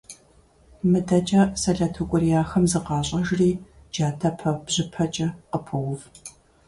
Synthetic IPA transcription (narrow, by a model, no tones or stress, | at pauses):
mɨdɐt͡ʃʼɐsɐɮɐtʰukʷʼʊrijaːxɐmzɨqɑːɕʼɐʒriː | d͡ʒaːtʰɐpʰɐbʑ̥ɪpʰɐt͡ʃʼɐqəpʰɨwʊf